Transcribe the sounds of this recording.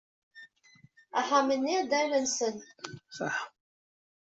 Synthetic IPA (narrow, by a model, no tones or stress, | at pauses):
aħamənːid̪ælənsənsɑħ